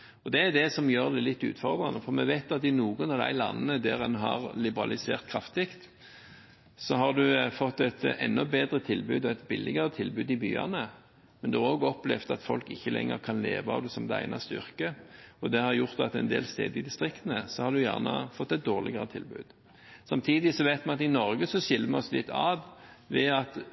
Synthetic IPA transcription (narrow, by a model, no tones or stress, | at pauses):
ɔd̪ɛæd̪ɛsɔmjøːɾd̪æɪlɪt̪ːʉ̰ːt̪fɔʁd̪ʁɑnəfɔʁmɛʋæɪt̪ɑt̪ɪnuːɡənɔd̪æ̰ɪlɑnːnəd̪æʁɛnɦɑʁlɪbəʁɑlɪsḛːʁt̪̚kʰɾɑft̪ɪkt̪ | sɔɦɑʁd̪ʉfɔt̪ːɛt̪ɛnːɔbeːd̪ʁət̪ʰɪlbʉːd̪ɔæt̪bɪlːɪɡəɾət̪ʰɪlbʉːd̪ɪbyːɑ̰nə | mɛnd̪ʉhæɾʁoːɡɔplɛft̪ɑt̪fɔlkɪçːəlɛ̰ŋːə̰ʁkʰɑnlḛːʋɑɑ̰ʋd̪ɛsɔmd̪ɛæ̰ɪnɑst̪əʏʁkəɔd̪ɛhɑʁjʊʁt̪ɑt̪ɛnd̪eːlst̪eːd̪ɪd̪ɪst̪ʁɪkt̪ənəsɔhɑʁd̪ʉjæ̰ːʁnə̰fɔt̪ːɛɪt̪̚d̪oːʁlɪɡəɾət̪ʰɪlbʉ̰ːd̪̥ | sɑmt̪ʰiːd̪ɪsɔʋæɪt̪mɛnɑt̪ɪnɔɾɡəsɔɕɪlːəmɛɔslɪt̪ʰːɑːdʋɛɑt̪